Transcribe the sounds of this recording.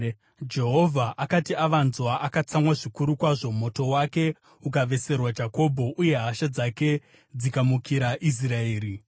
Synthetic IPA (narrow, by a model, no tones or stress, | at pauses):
d͡ʒe̞ɦo̞vʱaʔakatiaʋanzwaʔakat͡samwaʐikuɾukwaʐo̞mo̞to̞wake̞ | ukaʋe̞se̞rwad͡ʒako̞bʱo̞ʔuje̞ɦaʃad͡zake̞ | d͡zikamukiɾaʔis̬raeːɾi